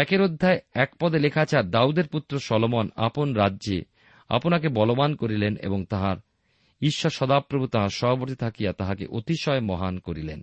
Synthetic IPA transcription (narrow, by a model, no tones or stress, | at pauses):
ɛkeɾod̪ʱːaeɛkpɔd̪elekʰat͡ɕʰaɾɖaud̪eɾput̪ːɾoʃɔlomona̰ponɾadːʑḛ | a̰ponakebɔlobankoɾilenḛboŋt̪aɦaɾ | iʃːoʃɔd̪apɾobʱut̪aɦaɾʃɔɦoboɾt̪it̪ʰakijat̪aɦakḛʔot̪iʃɔemɔɦankoɾilḛn